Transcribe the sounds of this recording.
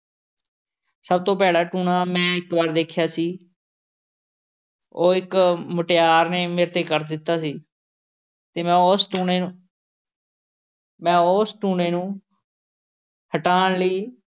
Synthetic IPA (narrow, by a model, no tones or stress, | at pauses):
səbt̪õːpɛːɽaːʈuːɳaːmɛ̃ːɪkbaːɾd̪eːkʰɪjaːsiː | oːɪkmʊʈejaːɾneːmeːɾt̪eːkəɾd̪ɪt̪ːaːsiː | t̪eːmɛ̃ːosʈuːneːnu | mɛ̃ːoːsʈuːneːnũː | həʈaːɳləiː